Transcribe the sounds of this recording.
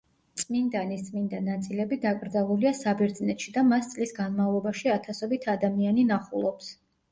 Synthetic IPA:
t̪sʼmind̪anist̪sʼmind̪anat̪sʼilɛbid̪akʼɾd̪zalˠuliasabɛɾd̪znɛt̪ʃid̪amast̪sʼlisɡanmavlˠɔbaʃiat̪ʰasɔbit̪ʰad̪amianinaχulˠɔps

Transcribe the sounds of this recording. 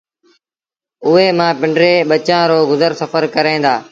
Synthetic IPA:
ʊɦeːmãːpɪɳɖɾeːɓət͡ʃãːɾoːɡʊzəɾsəfəɾkəɾẽːnd̪aː

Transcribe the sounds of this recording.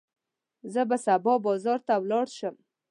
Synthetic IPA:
zəbasabɔbɑzɑɾt̪awlɑɽʃəm

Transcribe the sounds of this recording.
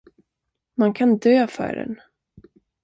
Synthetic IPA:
mankʰand̪øːfœ̰ɖɛ̰n

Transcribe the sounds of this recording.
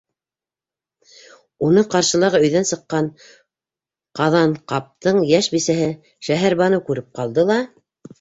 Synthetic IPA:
unɤqɑɾʃɤ̆lˠɑʁɤɵ̆jðænsɤ̆qːɑn | qɑðɑɴqɑp̚t̪ɤɴjæʃbisæɦɘ | ʃæɦæɾbɑnɤkʉɾɘp̚qɑlˠd̪ɤlˠɑ

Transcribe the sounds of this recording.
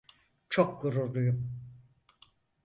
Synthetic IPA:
t͡ʃʰokɡuɾuɾlˠujum

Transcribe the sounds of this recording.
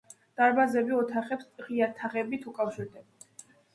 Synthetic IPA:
d̪̥aɾbazɛbiɔt̪ʰaχɛpsʁiat̪ʰaʁɛbit̪ʰukʼafʃiɾd̪ɛbɛ

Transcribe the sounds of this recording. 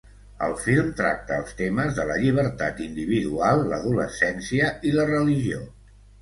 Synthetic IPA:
ə̰lˠfilˠmt̪ɾa̰k̚t̪əːlˠst̪eməzðələʎiβ̞əɾt̪at̪ind̪iβ̞iðualˠːə̰ðulə̰sɛnsiəilərəliʒio

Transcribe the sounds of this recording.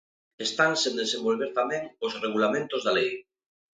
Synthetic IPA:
est̪aŋsẽnd̪esembolβ̞eɾt̪amẽŋosreɣ̞ulamẽnt̪ozðalej

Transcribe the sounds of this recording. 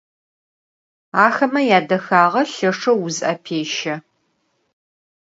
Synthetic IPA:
aːxɐmɐjaːdɐxaːʁɐɬɐʂɐwʊzɐpʰeːʃɐ

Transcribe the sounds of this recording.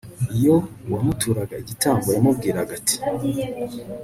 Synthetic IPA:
ijowamutʰuɾaɡaiɟitʰaːmbojamub̚ɡiːɾaaɡatʰi̥

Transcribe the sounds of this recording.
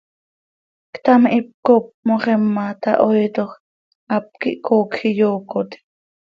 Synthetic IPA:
kt̪amʔip̚kop̚moχɛmːat̪ɑ̰ʔojt̪ox | ʔap̚kḭʔkoːkxijoːkot̪i̥

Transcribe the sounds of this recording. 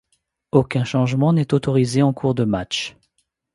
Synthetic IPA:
okʲɛ̃ʃɑ̃ʒmɑ̃nɛt̪ot̪ɔʁizeɑ̃kʰuʁd̪əmat͡ʃ

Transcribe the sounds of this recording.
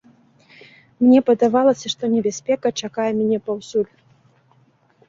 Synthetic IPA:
mnʲɛpɐd̪avalˠɐsʲɐʂt̪ɔnʲɛbʲasʲpʲɛkɐt͡ʂakajɛmʲnʲɛpawsulʲ

